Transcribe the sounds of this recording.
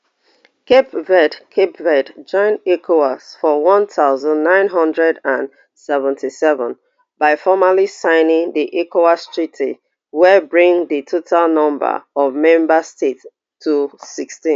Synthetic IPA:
kepvɛdkʰepvɛdd͡ʒɔ̃ɪ̃nekʰoasfɔwɔ̃nθaʊzə̃nːãɪ̃nɦʌ̃ndɹɛdãn | sɛvə̃ntʰisɛvə̃n | baɪfɔmalisãɪnɪ̃ŋðiʔekoastʰɹ̥itʰḭ | wɛbɹĩŋðitʰotʰalnʌ̃mbə̰ɔvmɛ̃mbəstet | tʰːusikstĩ

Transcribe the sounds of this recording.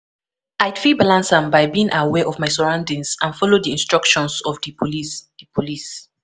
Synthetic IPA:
ajdfibalãnsãmbajbiĩŋʔawɛʔɔvmajsɔɹãʊ̃ndĩŋsãnfɔlodiĩnstɹ̥ʌkʃɔ̃nsɔvdipʰoisdipʰolis

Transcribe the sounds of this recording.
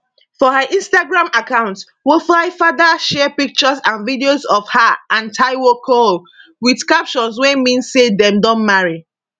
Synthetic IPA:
fɔhaʔĩnstaɡɹãmakãʊ̃nts | wifɹaɪfadəʃɛpik̚t͡ʃəzãnvidiozɔfhaʔãntʰaɪwokʰol | widskap̚t͡ʃɔswɛ̃nmĩnsːedɛ̃mdɔ̃nmaɹi

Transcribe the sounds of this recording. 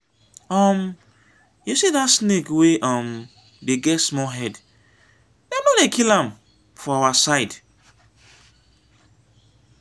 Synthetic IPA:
ɔm | jusidatsnekweʔɔm | deɡɛtsmɔɦɛd | dɛmalekilãm | fɔawasaɪd

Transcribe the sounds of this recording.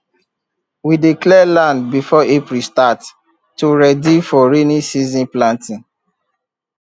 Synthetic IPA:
widiklɛlãndbifɔepɾistatː | uɹɛdifɔɹenisizĩnplãntĩn

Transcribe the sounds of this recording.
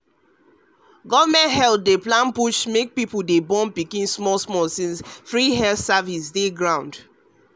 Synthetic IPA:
ɡɔvmɛ̃nthɛltdeplãnpuʃmek̚pipuldebɔ̃npikĩnsmɔlsmɔlsĩnsfɹiɦɛlθsavisdeɡɹãʊ̃nd

